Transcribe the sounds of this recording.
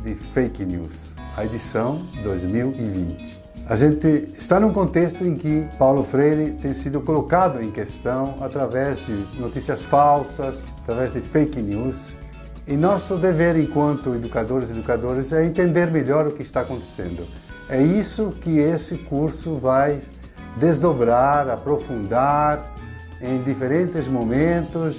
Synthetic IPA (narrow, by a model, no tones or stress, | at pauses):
d̪ɪfejknjṵs | ɐed̪isɐ̃w̃d̪ojzmiwɪvḭ̃nt͡ʃ̪ɪ̥ | aʒẽnt̪ɪːst̪anũkõnt̪est̪ʊẽkɪpawlʊfɾejɾɪt̪ẽj̃sid̪ʊkolokad̪ʊẽkest̪ɐ̃w̃at̪ɾavɛzd̪ɪnot̪isiɐsfawsɐs | at̪ɾavɛzd̪ɪfejknus | ɪnɔsʊd̪eveɾẽŋkwɐ̃nt̪ʊed̪ukad̪oɾɪzed̪ukad̪oɾɪzɛẽnt̪ẽnd̪eɾmeʎɔɾʊkɪist̪aakõnt̪e̥sḛ̃nd̪ʊ | ɛisʊkɪesɪkuɾsʊvaj | d̪ezd̪obɾaɾapɾofũnd̪aɾ | ẽj̃d̪ifeɾẽnt̪ɪzmomẽnt̪ʊs